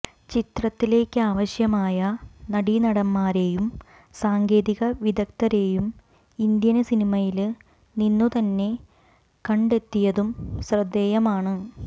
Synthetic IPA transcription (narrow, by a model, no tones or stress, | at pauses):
t͡ɕit̪rɐt̪ːile̞ːkʲːɨaːʋɐɕjɐmaːjɐnɐɽinɐɽɐmːaːɾe̞jum | saːŋɡe̞ːðiɣɐʋid̪ɐk̚t̪ɐɾe̞ːjum | ind̪jɐnɨsinimɐjil | ninːut̪ɐnːe̞ | kɐɳɖe̞t̪ːijɐðumɕrɐd̪ːeːjɐmaːɳɨ